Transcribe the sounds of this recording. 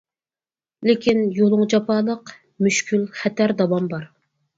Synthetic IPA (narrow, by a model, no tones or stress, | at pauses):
lɪkʲinjolˠʊŋd͡ʒɑpʰɑːlˠəq | myʃkʲʰylχɛt̪ʰæɾd̪ɑwɑmbɑɾ